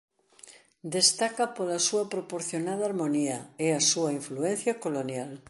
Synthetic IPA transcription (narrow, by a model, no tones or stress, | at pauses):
d̪est̪akɐpolɐsuɐpɾopoɾθjonaðɐaɾmoniɐeɐsuɐiɱfluen̟θjɐkolonjal